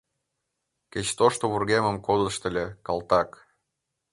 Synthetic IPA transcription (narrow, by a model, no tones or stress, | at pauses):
kʲet͡ɕt̪oʃt̪oβurɣemə̆mkod̪ə̆ʃt̪ə̆lʲekɑlt̪ɑk